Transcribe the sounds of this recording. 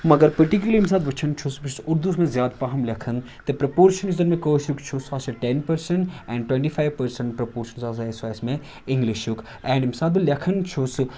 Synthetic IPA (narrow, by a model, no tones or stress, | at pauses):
mɐɡɐɾpɐɾʈik̬julɐɾims̬aːd̪ʋɐt͡ʃʰɐnt͡ʃʰoːsbit͡ʃʰusuɾd̪usmẽzjaːd̪pɐɦɐmlʲɐkʰɐn | t̪epɾɐpoːɾʃɐnizɐɾmẽkoːsjukt͡ʃʰosaːsɐʈenpɐɾsɐɳʈɛ̃ːɳɖʈwẽɳʈifʰajʋpɐɾsɐ̃ɳʈpɾɐpoːɾʃɐnzaːsasaːjsmẽ | ɪ̃ŋɡliʃjuk | ɛ̃ːɳɖimsaːd̪̚bɨlʲɐkʰɐnt͡ʃʰoːs